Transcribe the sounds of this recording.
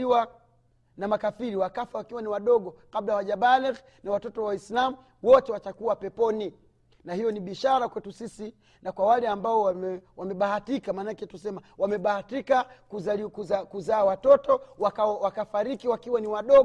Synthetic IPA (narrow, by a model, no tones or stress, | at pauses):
iwa | namakafiɾiwakafawakiwaniwaɗɔɠɔkaɓlawaʄaɓalɛk | nawatɔtɔwawislamu | wɔtɛwatakuwapɛpɔni | nahijɔniɓiʃaɾakwɛtusisi | nakwawalɛambaɔwamɛwamɛɓahatikamanakɛtusɛmawamɛɓahatikakuzaikakuzaːwatɔtɔwakawakafaɾikiwakiwaniwaɗɔ